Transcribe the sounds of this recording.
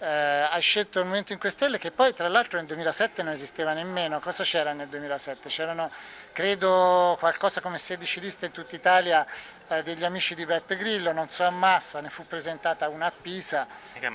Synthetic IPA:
ajʃːelt̪oilmoment̪oiŋkwest̪elːek̟epːɔjt̪ɾalːalt̪ɾoneld̪uemiːlasɛt̪ːenonezist̪eːvanemːeːnokɔːzat͡ʃɛːɾaneld̪uemiːlasɛt̪ːet͡ʃɛːɾanokɾeːd̪okwalkɔːzakomesed̪it͡ʃid̪ist̪aeint̪ut̪ːait̪aːlja | d̪eʎːiamiːt͡ʃid̪ibɛpːeɡɾilːononsɔamːasːanefupːɾezent̪aːt̪aunaːpːiːza

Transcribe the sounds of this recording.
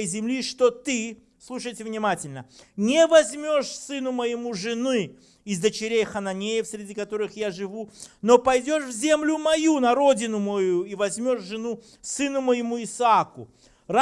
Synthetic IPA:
əjzʲɪmlʲiʂt̪ot̪ɨ | slˠuʂ̬əjtʲɪvnʲɪmatʲɪlʲnənʲɪvɐzʲmʲo̞ʂsɨnʊməjɪmuʐɨnɨ | ɪzd̪ət͡ɕɪɾʲejxənɐnʲejɪfsʲɾʲɪdʲikɐt̪o̞ɾɨxjaʐɨvuno̞pɐjdʲo̞ʂvzʲemlʲʊmɐjunɐɾo̞dʲɪnʊmojuivɐzʲmʲo̞ʂʐɨnu | sɨnʊməjɪmuɪsakʊ̰ | ra

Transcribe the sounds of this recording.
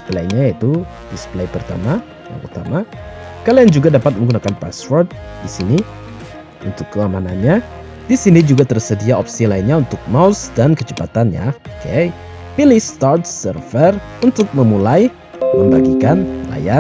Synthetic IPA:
plaiɲajait̪u | displajpərt̪a̰ma | ja̰ŋʔṵt̪a̰makaliaŋd͡ʒuɡadapat̪̚məŋɡunakanpa̰sfɔrt̪̚disini | ṵnt̪ʊkːəamananɲa | disinid͡ʒuɡat̪ərsədiaɔpsilainɲaunt̪ʊk̚mawsdankət͡ʃə̥pat̪anja̰oke | pilɪhst̪art̪̚sərfər | unt̪ʊk̚məmulaj | məmbaɡikanla̰ja

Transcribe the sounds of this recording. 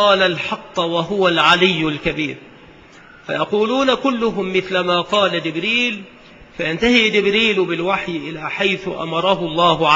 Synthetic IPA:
ɑːlalħɑt̪ˤːwaɦʊwalʕalɪjːʊlkabiːɾ | fa̰jɑquːluːnakʊlːʊɦʊmːɪθlamaːqɑːlad͡ʒɪbɾiːl | fajant̪ahiːd͡ʒɪbɾiːlʊbɪlwaħjɪʔɪlaːħajθʊʔa̰mɑɾˤɑɦʊlˤːɑːɦʊʕ

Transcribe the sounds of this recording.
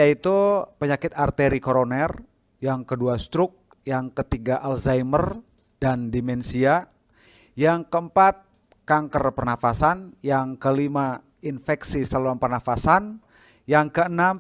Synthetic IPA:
ait̪upəɲakɪt̪art̪eɾikoɾonɛr | jaŋkəduast̪ɾʊk̚ | jaŋkət̪iɡaʔalzajmər | dandimɛnsia | jaŋkəəmpat̪̚ | kaŋkərpərnafasanjaŋkəlima | infɛksisəluanpərnafasan | jaŋkəənam

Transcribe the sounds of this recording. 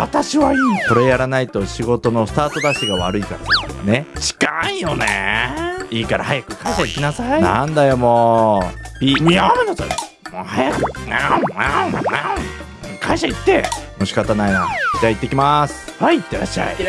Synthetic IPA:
βa̰t̪aɕiβaiːko̞ɾe̞jaɾanait̪o̞ɕiɡo̞t̪o̞no̞sɨ̥t̪aːt̪o̞d̪aɕiɡaβaɾɯ̟ikaɾanet͡ɕi̥kaijo̞nḛ | iːkaɾahajakɯ̟̥kʰãɰ̃ɕaikʲinasainã̰nd̪ajo̞moː | bʲiamenot̪a | mohajakɯã | kʰãɰ̃ɕait̪ːe̞moɕi̥kat̪anainad͡ʑeait̪ːekʲimasɨ̥haiːt̪ːeɾa̰ɕːa̰ḭ

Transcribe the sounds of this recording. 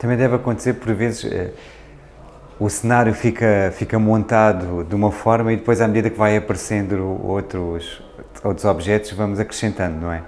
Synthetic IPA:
t̪ɐmɐ̃j̃d̪ɛvɐkõnt̪seɾpɔɾvezʃɛ̰ | usɨnaɾjufikɐfikɐmõnt̪aðud̪umɐfɔɾmɐiðɨpojzamðiðɐkvajɐpɐɾsẽnd̪ɾo̰t̪ɾuʃ | ot̪ɾuzɔβʒɛt̪uʃvɐmuzɐkɾɨʃẽnt̪ɐ̃nd̪unɐ̃w̃ɛ

